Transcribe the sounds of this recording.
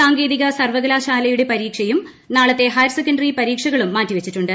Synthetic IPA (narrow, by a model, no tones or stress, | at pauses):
aːŋɡeːðiɣɐsɐrʋɐɣɐlaːɕaːlɐjuɽe̞pɐɾiːkʂɐjum | naːɭɐt̪ːe̞ɦɐjɾsekːɐɳɖɐripɐɾiːkʂɐɣɐɭumːaːtːiʋɐt͡ɕːiʈːuɳɖɨ